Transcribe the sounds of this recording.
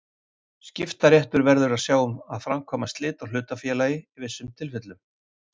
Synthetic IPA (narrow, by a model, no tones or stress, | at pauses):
scɪft̪aɾjɛht̪ʏɾvɛɾðʏɾaðsjaːwʏmaðfɾamkʰɔːmast̪lɪːt̪awl̥ʏːt̪afjɛːlajɪivɪsːʏmt̪ʰɪlfɪt̪lʏm